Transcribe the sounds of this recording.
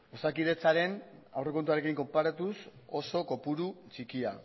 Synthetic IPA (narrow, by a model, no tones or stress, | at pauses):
osakiðe̞t͡saɾe̞na̰wre̞ko̞nt̪uaɾe̞kiŋko̞mpaɾat̪uso̞so̞ko̞puɾut͡ʃikia